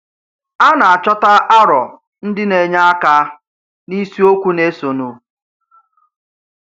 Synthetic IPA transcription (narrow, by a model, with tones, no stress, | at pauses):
a˦na˨a˨t͡ʃɔ˦ta˦ʔa˦ɾɔ˨ | n̩˦dɪ˦ne˨ɲa˦a˦ka˦ | ni˦si˦o˦kʷu˦ne˦so˨nu˨